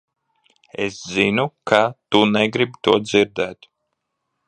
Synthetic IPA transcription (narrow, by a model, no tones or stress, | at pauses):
ɛ̰szinukʰat̪unɛɡɾibt̪uɔd̪ziɾd̪ɛːt̪